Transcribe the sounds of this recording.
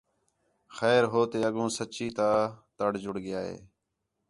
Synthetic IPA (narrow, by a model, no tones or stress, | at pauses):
xɛːɾɦoːt̪eːəɠõːsət͡ʃiːt̪aːt̪əɽd͡ʒʊɽɡɪjaːɦḛː